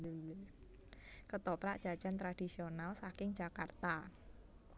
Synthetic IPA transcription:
kət̪ɔpɾaʔd̥ʒ̥a̤d̥d͡ʒ̥ant̪ɾad̥i̤sionalsakɪŋd͡ʒ̥a̤kart̪a

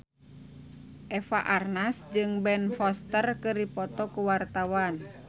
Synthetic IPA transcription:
ʔɛfaʔarnasd͡ʒɨŋbɛnfɔst̪ərkɨrdipɔt̪ɔkuwart̪awan

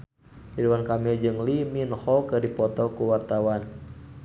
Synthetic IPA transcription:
hiduwankamild͡ʒɨŋliminhɔkɨrdipɔt̪ɔkuwart̪awan

